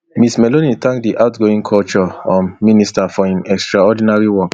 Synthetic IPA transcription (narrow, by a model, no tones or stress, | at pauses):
mismɛlonitʰãŋkdiʔaʊtɡoĩŋkʰɔlt͡ʃɔɔ̃mmːĩnistafɔãnɛkstɹaɔdinaɹiwɔk